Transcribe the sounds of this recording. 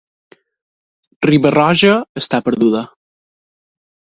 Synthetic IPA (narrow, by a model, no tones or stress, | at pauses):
riβərɔʒəːst̪apəɾðuðə